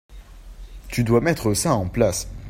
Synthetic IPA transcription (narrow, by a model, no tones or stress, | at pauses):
t̪yd̪wamɛt̪χəsaɑ̃plas